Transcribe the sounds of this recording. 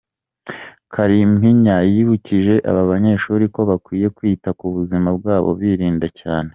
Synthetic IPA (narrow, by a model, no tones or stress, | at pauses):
kʰaɾimhiɲajiβuciʒe̞ʔa̰βaβaɲe̞ʃuːɾiko̞βakwiːje̞kwiːtakuβuzimab̚ɡaːβo̞̰βiːɾiːndacaːne̞